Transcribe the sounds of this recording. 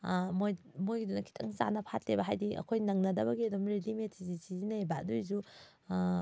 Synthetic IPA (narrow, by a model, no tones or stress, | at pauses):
moj | mojɡidunɐkʰi̥tʰɐ̰ŋsa̰nɐpʰatlebɐɦajdiʔɐ̰kʰojnɐŋnɐdɐbɐɡiɐdumɾedimetʰizisizinɐebadujzu